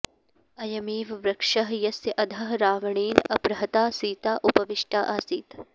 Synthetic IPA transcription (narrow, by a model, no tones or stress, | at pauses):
ɐjɐmiːʋʋɾɐkʂɐɦjɐsjɐʔɐd̪ʱɐɦɾaːʋɐɳiːnɐpɾɐɦɐt̪aːsiːt̪aːʔupɐʋiʃʈaːʔaːsiːt̪